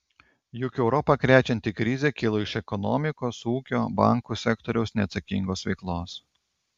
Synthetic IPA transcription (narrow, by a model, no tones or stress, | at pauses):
jʊkʲɛʊɾɔpɐkɾʲæːt͡ʃʲɛnʲt̪ʲikɾʲɪzʲeːkʲɪlˠoɪʃɛkɔnɔ̰mʲɪkoːsuːkʲoːbɑ̰ˑŋkuːsʲɛkt̪ɔɾʲɛʊsnʲɛːt̪sɐkʲḭŋɡoːsʋʲɛɪklˠoːs